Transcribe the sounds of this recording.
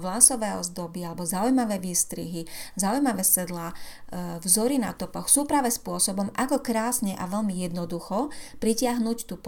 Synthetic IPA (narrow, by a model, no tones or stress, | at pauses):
ʋlasɔʋɛːɔ̰zd̪ɔbialɛbɔzaujmaʋɛːʋiːst̪ɾḭɦizaujmaʋɛːsɛd̪laː | vzɔɾina̰t̪ɔpɔxsuːpɾaːʋɛspʊɔsɔbɔmʔakɔkɾaːsɲɛʔaʋɛʎmijɛd̪nɔd̪uxɔpɾicɪaɦnuct̪uːp